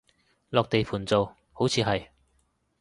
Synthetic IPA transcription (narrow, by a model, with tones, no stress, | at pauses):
lɔː˨k̚t̪e˨jpʰuː˨˩nt͡so˨w | ho˨˥wt͡sʰiː˨˧ɦɐ˨j